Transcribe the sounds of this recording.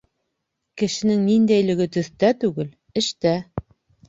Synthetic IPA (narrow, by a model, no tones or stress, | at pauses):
kɘ̆ʃɘ̆nɘŋnind̪æjlɘ̆ɡɘt̪ɵ̆θt̪æt̪ʉɡɘl | ɘ̆ʃt̪æ